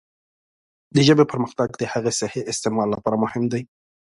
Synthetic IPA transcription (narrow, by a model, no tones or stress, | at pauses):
d̪əʒəbepəɾməxt̪aɡd̪əhaɣesaheʔɪst̪emɑlːapɑɾamʊhɪmd̪aj